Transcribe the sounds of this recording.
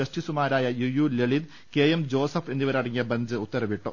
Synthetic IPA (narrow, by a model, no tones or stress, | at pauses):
ɐsʈisumaːɾaːjɐjujuːleɭid̪ | keːjemd͡ʑo̞ːsɐfe̞nːiʋɐɾɐɽɐŋːijɐbɐnd͡ʑɨut̪ːɐɾɐʋiʈːo